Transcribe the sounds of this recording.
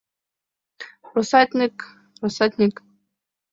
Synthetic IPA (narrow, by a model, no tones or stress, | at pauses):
rosat̪ʲnʲik | rosat̪ʲnʲik